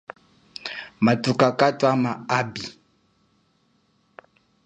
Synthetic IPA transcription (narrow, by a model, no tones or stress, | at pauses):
matukakatwamaabi